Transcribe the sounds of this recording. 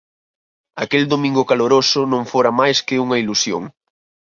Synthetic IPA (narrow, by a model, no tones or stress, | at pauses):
ɐkeld̪omĩŋɡʊkaloɾosʊnõŋfoɾɐmajskɪuŋɐilusjo̰ŋ